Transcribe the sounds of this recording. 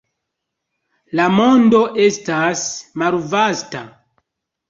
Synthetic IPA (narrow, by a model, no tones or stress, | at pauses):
lamo̞ndo̞ʔe̞stasmalvasta